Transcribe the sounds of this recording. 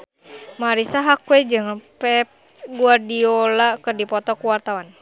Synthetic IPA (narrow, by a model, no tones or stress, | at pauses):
maɾisaɦakwed͡ʒɨŋpɛp̚ | ɡuardiolakɨrdipɔt̪ɔkuwart̪awan